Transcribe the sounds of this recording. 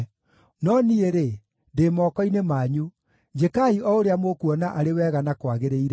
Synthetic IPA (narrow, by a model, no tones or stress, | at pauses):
nɔnieɾe | ndeːmɔːkɔinemaːɲu | d͡ʒekaiʔɔoɾeamokuɔnaʔaɾewɛːɣanakwaɣeɾeiɾɛ